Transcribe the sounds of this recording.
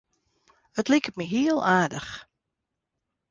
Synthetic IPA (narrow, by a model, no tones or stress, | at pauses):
ətlikətmiɦiəlˠaːdəx